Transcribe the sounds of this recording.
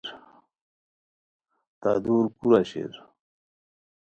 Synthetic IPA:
ɾ | t̪aːd̪uːɾkuɾaɕḛɾ

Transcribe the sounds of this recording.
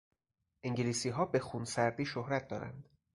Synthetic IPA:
ʔeŋɟeliːsiːɦɒːbe̞xunsæɾd̪iːʃohɾæt̪̚ʰd̪ɒ̰ːɾæ̰nd̪̥

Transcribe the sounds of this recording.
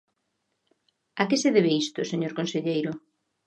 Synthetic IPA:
akɪseðeβ̞eist̪ʊseɲoɾkonseʎejɾʊ

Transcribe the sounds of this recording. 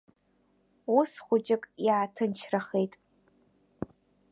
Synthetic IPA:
ʊsχʷʊt͡ʃʼɪkʼiatʰɨnt͡ʃʰraχejtʼ

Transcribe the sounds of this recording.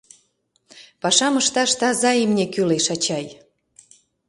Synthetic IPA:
pɑʃɑməʃt̪ɑʃt̪ɑzɑjimnʲekyleʃɑt͡ɕɑj

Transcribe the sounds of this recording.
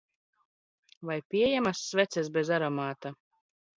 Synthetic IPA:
vajpʲiɛjɛmasːvʲɛt̪sʲɛsbʲɛzaɾɔmaːt̪a

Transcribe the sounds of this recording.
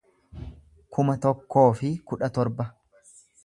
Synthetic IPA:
kʰʊmɐt̪ɔkːo̞ːfɪkʊᶑɐt̪ɔɾbɐ

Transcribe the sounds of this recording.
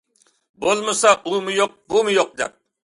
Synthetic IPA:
bolˠmɨsɑʔumɨjoq̚bumɨjoq̚d̪ɛ̰p̚

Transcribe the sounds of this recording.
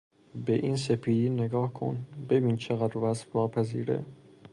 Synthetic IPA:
beʔiːnsepʰiːd̪iːneɡɒːhkʰo̰nbe̞biːnt͡ʃʰeɣæd̪ɾvæsfvɒːpʰæzḭːɾḛ

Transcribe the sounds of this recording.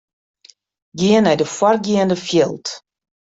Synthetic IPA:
ɡjiənɛjdəfwɔrɡjiəndəfjɪlˠt

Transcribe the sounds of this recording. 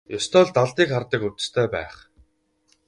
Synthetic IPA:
jʊst̪ʰɔːɮt̪aɮt̪iːkχart̪ə̆kut͡s̪̆st̪ʰœːpæ̰ːχ

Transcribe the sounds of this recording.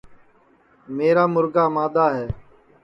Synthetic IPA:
meːɾaːmʊɾɡaːmaːd̪aːɦɛː

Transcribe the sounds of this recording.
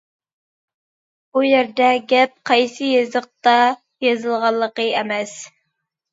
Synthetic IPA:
ujæɾd̪ɛɡʲɛp̚qʰɑjsɨjɑzəq̚t̪ɑ | jɑzɨlˠʁɑlˠːəqəemɛs

